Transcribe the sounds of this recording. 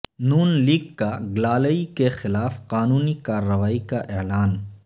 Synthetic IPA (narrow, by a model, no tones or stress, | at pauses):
nuːnliːɡkaɡlaːləikexɪlaːfqaːnuːnikaːɾːɐʋaːikaʔelaːn